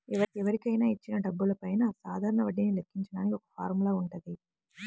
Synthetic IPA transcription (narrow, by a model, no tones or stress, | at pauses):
ɛʋɐɛʋɐɾikːɐjnaːit͡ʃːinɐɖɐbːulɐpɐjnaːsaːd̪ʱaːɾɐɳɐʋɐɖːinilekːiɲt͡ʃɐnaːniɔkːɐ̥faːɾmlaːuɳɖɐði